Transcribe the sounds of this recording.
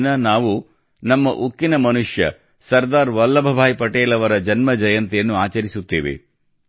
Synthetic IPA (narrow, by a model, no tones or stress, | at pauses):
nɐnaːʋu | nɐmːɐʔukːinɐmɐnuʂjɐ̰ | sɐɾd̪aːɾʋɐlːɐbʱɐbʱaːjpɐʈeːlɐʋɐɾɐd͡ʒɐnmɐd͡ʒɐjɐnt̪jɐnːuaːt͡ʃɐɾisut̪ːḛːʋḛ